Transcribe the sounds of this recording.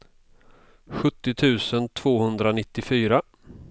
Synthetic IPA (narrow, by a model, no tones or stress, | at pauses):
ɧɵt̪ːɪt̪ʰʉ̟ːsənt̪ʰv̥oːhɵnd̪ɾanɪt̪ːɪfyːɾa